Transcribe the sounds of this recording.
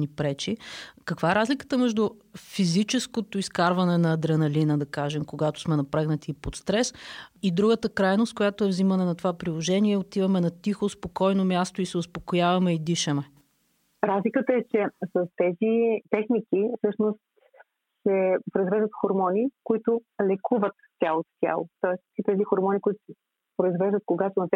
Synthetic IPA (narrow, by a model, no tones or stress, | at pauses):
nipɾɛt͡ʃikəkvaɛɾazlʲikə̥t̪əmɛʒd̪ʊfizit͡ʃɛskot̪oiskaɾvɐnɛnɐːd̪ɾɛnɐlinəd̪ɐkaʒɛmkoɡat̪o̥smɛnɐpɾɛɡnɐt̪iːpot̪st̪ɾɛsid̪ɾuɡət̪əkɾajnost̪̚kojat̪oɛvzimɐnɛnɐt̪ovapɾilˠoʒɛniɛot̪ivɐmɛnɐt̪ixospokɔjnomʲjast̪oisɛʊspokojavɐmɛid̪iʃɛmɛ | ɾazlikət̪əɛt͡ʃɛsɐst̪ɛzit̪ɛxnik̟ifsɤʃnost̪ | sɛpɾoizvɛʒd̪ət̪xoɾmɔnikoit̪ʊ | lɛkuvət̪t̪ʲjalˠot̪t̪ʲja̰lˠo̰t̪ɔɛskit̪ɛzixoɾmɔnʲikʊit̪ʊ̥sɛ | pɾoizvɛʒd̪ət̪̚koɡat̪onɐt̪ɛ